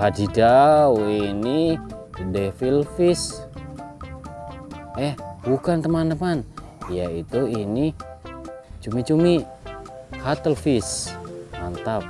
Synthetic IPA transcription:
adidawini | defilfis | ɛhbukant̪əmant̪əman | jait̪uini | t͡ʃumit͡ʃumi | hat̪əlfismant̪ap̚

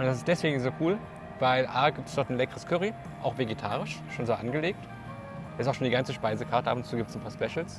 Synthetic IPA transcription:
ʔʊntd̥asɪstd̥ɛsv̥eːɡŋ̩zoːkʰuːl | vaɪlʔaːɐɡiːp̚tə̥sd̥ɔɐtn̩lɛkəʁəskʰʏʁi | ʔaʊxv̥eɡetʰaːʁɪʃʃoːnzoːʔanɡəleːk̚t | daɪstaʊxʃoːndiɡant͡səʃpaɪzəkʰaːɐtəʔapʊnt͡suːɡiːptəsn̩pʰaːɐspɛʃl̩s

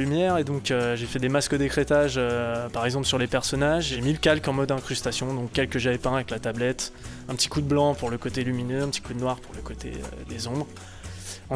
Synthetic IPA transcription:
ymjɛʁed̪ɔ̃køʒefɛd̪emaskəd̪ekχet̪aʒøpaʁɛɡzɑ̃plsyʁlepɛʁsɔnaʒʒemiləkalkɑ̃mɔd̪ɛ̃kχyst̪asjɔ̃d̪ɔ̃kʲːɛlkəʒavɛpɛ̃avɛklat̪ablɛt̪ɛ̃pət̪i̥kud̪əblɑ̃puʁləkot̪elyminøɛ̃pt̪i̥kud̪ənwaʁpuʁləkot̪ḛø̰d̪ezɔ̃bʁ | ɑ̃

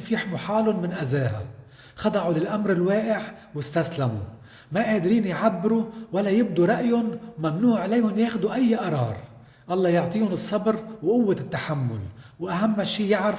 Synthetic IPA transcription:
fiːħmʊħaːlʊnmɪnʔazeːɦa̰ | xɑd̪ˤɑʕʊlɪlʔamɾɪlweːʔɪʕwɪst̪aslamṵ | maʔeːd̪ɾiːnjʕabːɪɾuwalːajɪb̚d̪uɾˤɑʔjʊnmamnuːʕʕlajhʊnjeːxd̪uʔajːʔɑɾˤɑ̰ːɾˤ | ʔɑlˤːɑjʊʕt̪ˤiːʊnɨsˤːɑbɾwʔʊwːat̪ːaħamːʊ̰lwʔaɦamːaʃiːjɪʕɾ

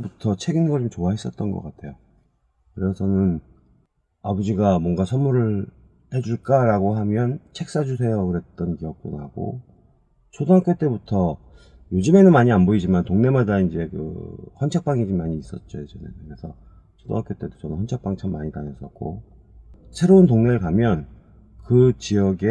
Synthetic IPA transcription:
butʰʌt͡ɕʰe̞ɡinŋɡʌɭomt͡ɕoaɦe̞s͈ʌt̚t͈ʌnɡʌ̰k͈atʰe̞jo | kɯɾesʰʌnɯn | abud͡ʑiɡamwʌŋɡasʰʌmuɾɯɭ | he̞d͡ʑuɭk͈aɾaɡoɦamjʌnt͡ɕʰe̞k̚s͈ad͡ʑusʰe̞jʌkɯɾe̞t̚t͈ʌnkiʌk̚t͈o̰nɦa̰ɡo̰ | t͡ɕʰodoɦak͈jot͈e̞butʰʌ | jod͡ʑume̞nɯnmaɲianboid͡ʑimantoŋne̞madaind͡ʑe̞kɯ̰hʌnt͡ɕʰʌk̚p͈aŋid͡ʑimaɲiːs͈ʌ̰t̚t͡ɕ͈ojed͡ʑenḛnekɯɾesʰʌ | t͡ɕʰodo̰ŋɦakjot͈e̞do̥t͡ɕʰʌnɯnɸwʌnt͡ɕʰʌk̚p͈aŋt͡ɕʰʌmːaɲitaɲʌs͈ʌ̰k͈o̰ | sʰe̞ɾountoŋne̞ɯɭkamjʌn | kɯt͡ɕijʌɡe

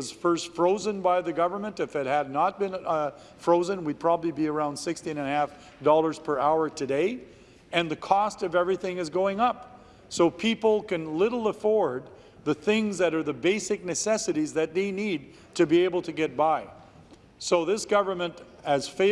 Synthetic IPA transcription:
ʌz̥fɜ˞stfɹoʊzɨ̃nbaɪðɨɡʌvə˞mə̃ntɨfɨt̚hɨdⁿnət̚b̥ɨ̃n | fɹoʊzɨ̃nwid̚pʰɹ̥ɑbəblibiə˞ãʊ̃nd̥sɪkstĩnɨ̃nhæf | d̥ɔlˠə˞z̥pʰə˞ʔaʊə˞tʰɨdeɪ | ɨ̃nðɨkʰɔstʌvɛvɹiθɪ̃ŋɨzɡoʊɪ̃ŋʌp | soʊpʰipl̩ˠkɨ̃nlɪɾl̩ˠəfɔɹd̪̚ | ðɨθɪ̃ŋzðɨɾə˞ðɨbeɪsɨk̚nɨsɛsɨɾizðɨt̪̚ðeɪnid̚ | tʰɨbieɪbl̩ˠtʰɨɡɛt̚b̥aɪ | soʊðɪsɡ̥ʌvə˞mɨ̃nt | ɨz̥feɪ

